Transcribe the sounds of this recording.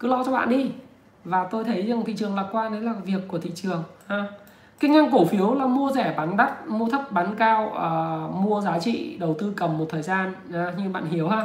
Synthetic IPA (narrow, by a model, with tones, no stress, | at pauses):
kɨ˨˦lɔ˧t͡ɕɔ˧ɓa̰ː˧˨nɗi˧ | vaː˨˩t̪o˧jt̪ʰə˨˦jza˨˩t̪ḭ˧˨t͡ɕɨ˨˩əŋlaː˨˩kwaː˧ne˨˦laː˨˩vi˨˩əkːu˧˩t̪ḭ˧˨t͡ɕɨ˨˩əŋʔaː˨˧˩ | kï˧ŋ̟ʔa˧jŋ̟ko˧˩fi˨˦əwlaː˨˩mu˧əzɛ˧˩ɓaː˨˦nɗa˦˥t̚mu˧ət̪ʰə˦˥p̚ɓaː˨˦nkaː˧wʔəː˨˩mu˧əzaː˨˦t͡ɕḭ˧˨ɗə˨˩wt̪ɨ˧kə˨˩mːo˨˩t̪̚ʰəː˨˩jzaː˧n | ʔaː˨˦ɲɨ˧ɓa̰ː˧˨nɦi˨˦əwhaː˧